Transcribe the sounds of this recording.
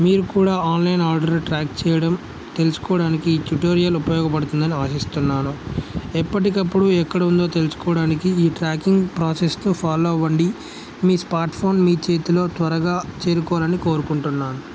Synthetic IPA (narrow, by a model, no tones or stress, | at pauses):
miːɾukuːɽaːaːnlɐjnaːɾɖɐɾlʈɾaːk̚t͡ʃɛːjɐɽɐm | t̪e̞lusu̥kɔːɽaːnikiːʈ̪uʈoːɾijɐlupɐjɔːɡɐpɐɽut̪und̪ɐniaːsist̪unːaːnuɛpːɐʈikɐpːuɽuɛkːɐɽɐund̪o̞ːt̪e̞lusu̥kɔːɽaːnikiiːʈɾaːkiŋɡpɾaːse̞snupʰaːloːʋɐɳɖi | miːsmaːɾʈpʰo̞ːnmiːt͡ʃe̞ːt̪ilo̞ːt̪ʋɐɾɐɡaːt͡ʃe̞ːɾukɔʋalɐniko̞ːɾukuɳʈunːaːnu